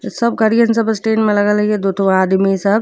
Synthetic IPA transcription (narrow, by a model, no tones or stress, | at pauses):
sɐb̚kɐɾijənsɐbəsʈeːnmẽlɐɡəlied̪ot̪ʰʋaːd̪misɐb